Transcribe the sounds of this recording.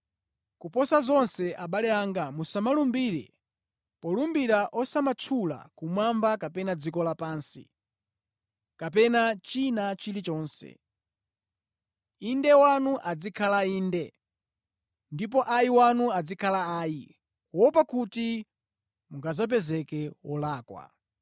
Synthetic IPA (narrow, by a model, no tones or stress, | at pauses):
kupɔsazɔnsɛʔaɓalɛaŋɡamusamalumbiːɾɛ̰ | pɔlumbiɾaʔɔsamat͡ʃʰula̰kumwambakapɛnad͡zikɔlapaːnsḭ | kapɛnat͡ʃinat͡ʃilit͡ʃɔːnsɛ̰ | indɛwanuʔad͡zikʰalaiːndɛ | ndip̬ɔʔajiwanuad͡zikʰalaaːji | wɔpakuti | muŋɡazap̬ɛzɛkɛwɔlaːkwa̰